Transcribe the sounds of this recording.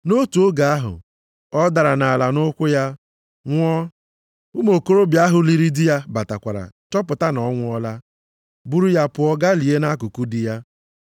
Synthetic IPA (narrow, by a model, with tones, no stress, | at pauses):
no˦tu˨o˦ɡa˨a˦ɦʊ̰˨ | ɔ˦da˨ɾa˨na˨a˨la˨nʊ˦kʷʊ˦ja˦ | ŋʷ˦ɔ˦ | ʊ˦mo˨ko˦ɾo˦bja˦ɦʊ˨li˦ɾi˦dɪ˦ja˦ba˨ta˨kʷa˨ɾa̰˨t͡ʃɔ˦pʊ˨ta˦nɔ˨˦ŋʷʊ˦ɔ˦la˦ | bu˦ɾu˦ja˦pʊ˨ɔ˦ɡa˦li˨e˦na˦kʊ˨ku˦dɪ˨ja˦